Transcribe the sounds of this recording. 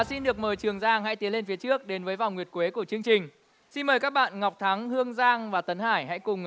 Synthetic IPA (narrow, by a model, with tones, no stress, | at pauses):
a˨˩si˧nɗɨ˨˩ək̚məː˨˩jt͡ɕɨ˨˩əŋzaː˧ŋha̰˧˥jt̪i˨˦əle˧nfi˨˦ət͡ɕɨ˦˥ək̚ɗe˨˦nvəː˨˦jva˨˩wŋwət̚kwe˨˦ku˧˩ət͡ɕɨ˧əŋt͡ɕï˨˩ŋ̟ | si˧nməː˨˩jkaː˦˥k̚ɓa̰ː˧˨nŋa˨˩k͡p̚t̪ʰa˨˦ŋhɨ˧əŋzaː˧ŋvaː˨˩t̪ə˨˦nhaː˧˩jɦa̰˧˥jkʊ˨˩ŋ͡m